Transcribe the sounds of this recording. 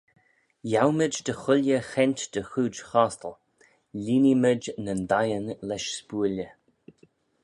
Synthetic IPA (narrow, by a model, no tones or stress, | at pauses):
jawməd͡ʒd̪əxʊljəxɛnʲt̪d̪̥əxuːd͡ʒxaːst̪əl | lʲiːniməd͡ʒnənd̪ajənlɛʃspuːlə